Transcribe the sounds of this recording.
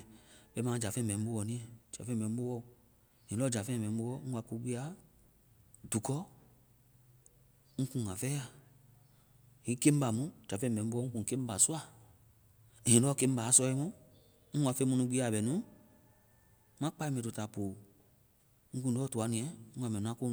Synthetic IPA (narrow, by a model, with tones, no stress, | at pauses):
ɓɛ˧˦mãː˨˦d͡ʒa˨fɛ̃˧˨mɛ̃˨nĩ˦ɓo˧wɔ˧˨nĩ˦ɛ̃˨d͡ʒa˨fɛ̃˦˨mɛ̃˨n˦o˦wɔ˧˨ | hĩ˨lɔ˦d͡ʒa˨fɛ̃˧˨bɛ̃˨˦ɓo˧wɔ˦ŋ̩˦wa˧˦ku˧˦ɡ͡bi˦a˨˦ | du˨kɔ˦ | ŋ̩˦kũ˧˨ŋã˨fɛ˦a˨ | hĩ˨˦ke˦m̩˦ba˨mũ˨˦d͡ʒa˨fɛ̃˦˨bɛ̃˨˦ɓo˧˦ɔ˦ŋ̩̃˦kũ˨ke˦m̩˦ba˨su˦a˦˨ | ĩ˨lɔ˦ke˦m̩˦ba˨˦sɔ˧i˧mɔ̃˦ | ŋ̩˦wa˧˦fe˧˦mũ˧nũ˧ɡ͡bi˦a˨ɓɛ˨nũ˦ | mã˦k͡pa˧˦i˦mɛ̃˧˨to˧ta˨poː˨ | ŋ̩˦kũ˧˨˦ɔː˦tu˨˧a˧nĩ˧ɛ̃˨ŋ̩˦ɡã˨mɛ̃˨nũ˨˦ã˦ko˦